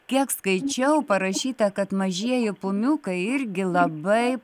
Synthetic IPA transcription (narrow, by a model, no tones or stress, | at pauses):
kʲiɛkskɐɪt͡ʃʲɛʊpɐɾɐʃʲiːt̪ɐkɐt̪mɐʒʲiɛjɪpʊmʲuːkɐɪɪɾʲɡʲɪlˠɐbɐɪ